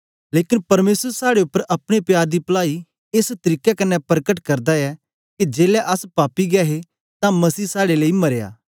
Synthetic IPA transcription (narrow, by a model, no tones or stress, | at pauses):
leːkɪnpɐɾmeːsəɾsaːɽeʊpːəɾʔɐpɽ̃epjaːɾd̪ipɐlaːi | est̪ɾiːkɛkɐnːɛpɾəkəʈkɐɾd̪aɛ | ked͡ʒeːlɛʔɐspaːpiɡɛːɦe | t̪ãmɐsiːsaːɽeleːimɐɾeja̰ː